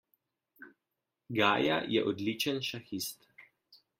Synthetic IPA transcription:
ɡaːja̰jɛʔɔd̪lit͡ʃənʃaxist̪

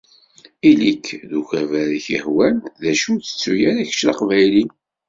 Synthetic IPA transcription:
ilikʰːðuʝævæɾiçəhwænðæʃut͡sːə̥t͡sːujæɾæç̥ʃlɑ̰qvæjlin

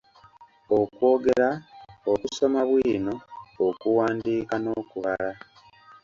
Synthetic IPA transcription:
okwo̞ːɡe̞ɾaokuso̞maβwiːno̞ːkuwaːndiːkano̞ːkuβaɾa

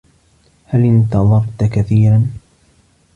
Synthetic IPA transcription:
halɪnt̪ɑðˤɑɾˤt̪akaθiːɾan

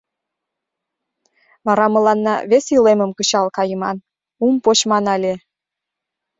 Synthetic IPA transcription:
βɑɾɑmə̆lɑnːɑ̰βesileməmkət͡ɕɑlkɑjəmɑn | umpot͡ɕmɑnɑlʲe

